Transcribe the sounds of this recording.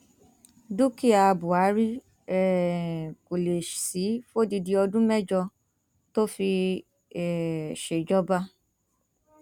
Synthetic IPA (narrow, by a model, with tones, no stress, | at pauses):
du˦ki˦a˨˧bʊ˨a˨˦ɾi˦ | ɛ˨ | ko˨le˨si˨˦fo˦di˧di˧ɔ˧dũ˦mɛ˦d͡ʒɔ˧ | to˦fi˧ | ɛ˨ʃe˨d͡ʒɔ˦ba˦